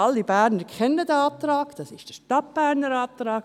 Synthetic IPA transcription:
ɑlːibæːɾnəɾkʰɛnːədɛɑːtɾɑːkd̥ɑsɪʃd̥ɛʃtɑt̚b̥æːɾnəɾɑːt̪ɾɑːk

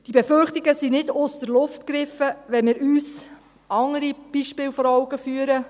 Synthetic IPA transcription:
d̥ibeførχtɪɡəsinɪdʊstəɾlʊftkɾɪfəʋɛnmɪːɾyːs | ɑŋəɾib̥iʃpɪːlfɔɾɔwɡəfyəɾə

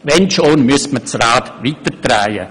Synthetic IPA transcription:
ʋɛnʃoːnmyəstmət͡sraːt̪ʋiːtətraɪə̰

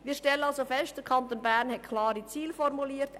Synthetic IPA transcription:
miːʃtɛlənɑlsofɛst̚d̥əkʰɑntoːnbæɾnhɛt̚kʰlɑːɾit͡siːlfɔrmuliːət

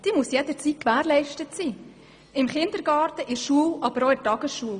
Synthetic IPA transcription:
d̥iːmusjɛd̥əɾt͡sit̚kʋæːɾlɛɪʃtətsiː | ɪmχɪnd̪əɾɡɑːɾtəʔɪʃuːəlʔɑbəɾoɪtɑɡ̥əsʃuːəl

